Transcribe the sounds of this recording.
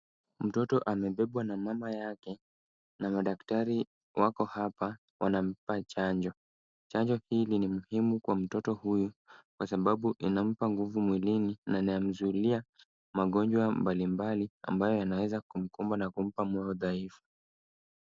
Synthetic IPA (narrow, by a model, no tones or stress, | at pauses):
m̩tɔtɔʔamɛɓɛɓwanamamajakɛ | namaɗaktaɾi | wakɔhapa | wʔanam̩pat͡ʃaɲd͡ʒɔ | t͡ʃaɲd͡ʒɔhiːlinimuhimukwam̩tɔtɔhujukwasaɓaɓuʔinam̩paŋɡuvumwilininanajam̩zulia | maɠɔɲd͡ʒwambalimbalia̰mbajɔjanawɛzakum̩kumbanakum̩pamwɛɔðaifu̥